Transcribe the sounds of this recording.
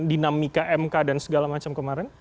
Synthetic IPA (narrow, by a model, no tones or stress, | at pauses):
dinamikaʔɛmkadansəɡalamat͡ʃamkəmaɾɛn